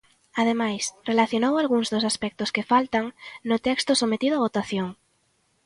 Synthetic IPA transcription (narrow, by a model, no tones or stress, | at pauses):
að̞emajsrelaθjonowalɣuŋzðosaspɛk̚t̪ʊskefalt̪aŋnʊt̪ɛkst̪ʊsomet̪iðoaβ̞ot̪aθjoŋ